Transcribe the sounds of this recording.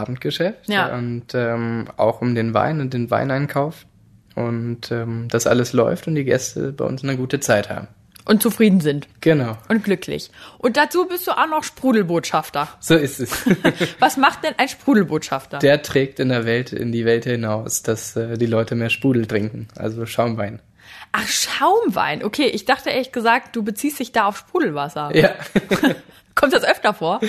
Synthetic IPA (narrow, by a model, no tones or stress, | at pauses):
aːbm̩t̚ɡ̥əʃɛftjʊntɛːmʔa̰ʊxʊmdeːnva̰ɪnʊnt̚d̥eːnva̰ɪnʔaɪnkʰaʊf | ʔʊntɛːmd̥asʔa̰ləslɔ̰ʏftʊntd̥iːɡɛ̰stʰə̰baɪʔʊ̰nsnəɡuːtət͡saɪtha̰ːbm̩ | ʔʊntt͡sufʁ̥iːdn̩zɪntɡ̥ənaʊʔʊnt̚ɡ̥lʏkʰlɪ̰çʔʊnt̚d̥at͡suːbɪstd̥uːʔaʊnɔχʃpʁ̥uːdl̩boːtʃaftɐz̥oːɪstɛsvasmaχt̚d̥ɛnʔaɪnʃpʁ̥uːl̩boːtʃaftɐd̥eːɐtʁ̥ɛːk̚tɪndeːɐvɛltɪ̰ndiːvɛlthɪnaʊsd̥asɛːdiːlɔʏtəmeːɐʃpʁuːdl̩tʁ̥ɪŋkŋ̩ʔa̰lzoʃaʊmvaɪn | ʔaχʃaʊmva̰ɪnʔokʰeːʔɪçd̥aχtəʔeːɐlçɡ̥əzaːk̚t̚d̥uːbət͡siːstd̥ɪçd̥aːaʊfʃpʁ̥uːdl̩vasɐjaː | kʰɔmtd̥asʔœftɐfoːɐ